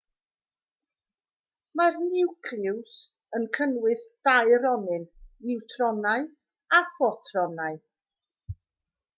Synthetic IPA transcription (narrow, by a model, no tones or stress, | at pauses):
marnɪwkʰrɪws | ənkʰənwɨθd̥ajɾɔnɨnɪwtʰrɔnaɨ | afɔtʰrɔnaɨ